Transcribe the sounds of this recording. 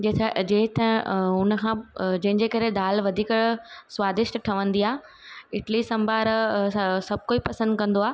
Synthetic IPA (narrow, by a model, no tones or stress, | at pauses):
d͡ʑet̪ʰd͡ʑeːɦt̪ɐ̃ʊnəkʰãːd͡ʑɐ̃ɦɪ̃d͡ʑekɐɾed̪aːlʋɐd̪ʱiːkəɽsʋaːd̪ɪʃt̪ʈʰɐʋə̃nd̪iaː | ɪʈlisɐ̃mbʱaːɾ | sɐb̚ʱkoːipɐsə̃nd̪kɐ̃nd̪oaː